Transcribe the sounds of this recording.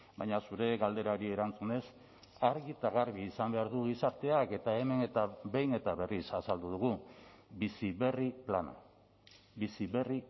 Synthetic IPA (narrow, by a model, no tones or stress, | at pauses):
bajɲasuɾe̞ɣald̪e̞ɾaoɾie̞ɾant͡sune̞s | aɾɣit̪aɣaɾβiːsambe̞aɾðuɣisaɾt̪e̞ake̞t̪ae̞me̞ne̞t̪abejne̞t̪aβe̞risasald̪uðuɣubisiβe̞riplana̰ | bisiβe̞ri